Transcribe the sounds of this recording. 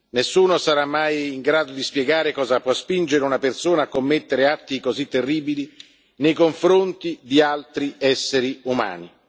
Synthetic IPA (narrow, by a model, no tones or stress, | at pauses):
nesːuːnosaɾamːajiŋɡɾaːd̪od̪ispjɛɡaːɾekɔːzapwɔspind͡ʒeɾeunapersoːnaːkːomːet̪ːeɾeat̪ːikozit̪ːerːiːbili | nejkoɱfɾont̪id̪ialt̪ɾiɛsːeɾiuma̰ːni